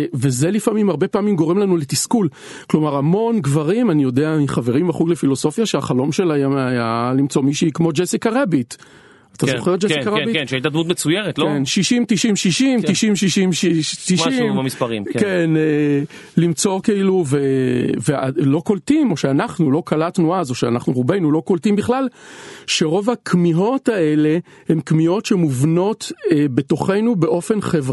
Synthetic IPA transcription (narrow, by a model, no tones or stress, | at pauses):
ve̞zelifamimhaʁbe̞paːmimɡo̞ʁemlanulet̪iskul | klo̞maʁamo̞nɡvaʁimanijo̞deamiχave̞ʁimaχuɡlefilo̞so̞fjaʃeaχalo̞mʃe̞lajajalimt͡so̞miʃiikmo̞d͡ʒesikaʁebit̪ | at̪azoχejt̚d͡ʒesikaʁebitkenʃait̪ad̪mut̪met͡sujeʁet̪lenʃiʃimt̪iʃimʃiʃimt̪iʃimʃiʃimʃiʃtiʃimmmamispɐʁḭmkene | limt͡so̞kiiluvevealo̞koltimo̞ʃeanaχnulo̞kalatnuazo̞ʃea̰naχnuʁube̞jnulo̞koltimbiχlalʃe̞ʁo̞vakʰmiɦo̞tae̞le | hemkmio̞tʃemuvno̞tebe̞to̞χe̞jnube̞ʔo̞fe̞nχevʁa